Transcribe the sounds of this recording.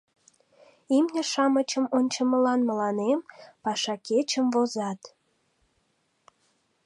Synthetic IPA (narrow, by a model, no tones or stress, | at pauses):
imnʲeʃɑmət͡ɕəmonʲt͡ɕəməlɑnməlɑnempɑʃɑket͡ɕəmvozɑt̪